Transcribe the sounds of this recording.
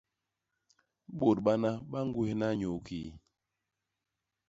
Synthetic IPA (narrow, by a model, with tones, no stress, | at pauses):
ɓo˨t̚ɓa˦na˦ɓa˦ŋ˦ɡu˦he˦na˦ɲo˨ki˨